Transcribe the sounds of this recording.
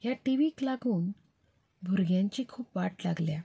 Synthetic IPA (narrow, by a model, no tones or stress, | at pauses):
ɦjaʈiʋiklaɡuːn | bʱuɾɡjãɲt͡ɕikʰuːpʋaʈlaɡlja